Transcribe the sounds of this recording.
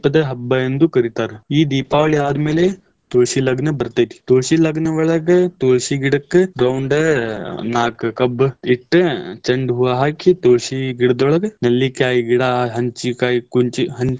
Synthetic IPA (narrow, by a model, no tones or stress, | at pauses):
pɐd̪ɐɦɐbːɐend̪ukɐɾit̪aːɾiːd̪iːpaːʋɐɭijaːd̪meːle | t̪oːʃilɐɡnɐbɐɾt̪ɐt̪ʰi̥t̪oːʃilɐɡnɐʋɐɭɐɡt̪oːʃiɡiɽɐkːɨɾɐwɳɖ | naːkkɐbiʈːt͡ʃɐɳɖɦuʋaːɦaːkit̪oːʃiɡiɽd̪ʋɔɭɐɡnɐlːikaːjiɡiɽaːɦɐɲt͡ʃikaːikunt͡ʃiɦɐn